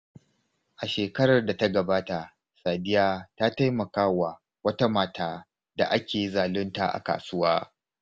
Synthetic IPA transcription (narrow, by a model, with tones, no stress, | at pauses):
ʔa˨ʃeː˨kɐ˦ɽɐ˨rda˨ta˦ɡɐ˨baː˦ta˨ | saː˨dɪ˦jaː˦taː˦ta˦jmɐ˨kaː˦wa˨ | wɐ˦ta˦maː˨taː˦ | da̰˨ʔa˦kʲeː˨ji˦zaː˨lʊ˦nta̰˨ʔa̰˨ka̰ː˨sʊ˦waː˦